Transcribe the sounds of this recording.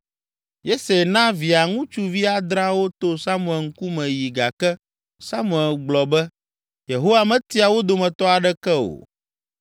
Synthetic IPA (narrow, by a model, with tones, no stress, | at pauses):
je˦se˨nã˦vi˨a˨ŋũ˦t͡ʃu˦vi˦a˦d̪ɾa˦wo˦t̪o˦sa˦mu˨ɛ˨ŋ̩˦ku˦mɛ̃˨ji˨ɡa˨kɛ˦ | sa˦mũ˨ɛ˨lɡ͡blɔ˨bɛ˦ | je˨ɦo˦wa˨mɛ̃˨t̪i˦a˨wo˦d̪o˨mɛ̃˨t̪ɔ˦a˨ɖɛ˦kɛ˦o̰˨